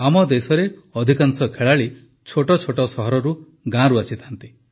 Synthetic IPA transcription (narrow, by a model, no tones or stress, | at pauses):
amɔd̪esɔɾeɔd̪ʱikansɔkʰeɭaɭi | t͡ʃʰoʈɔt͡ʃʰoʈɔsɔɦɔɾɔɾu | ɡãɾuasit̪ʰant̪i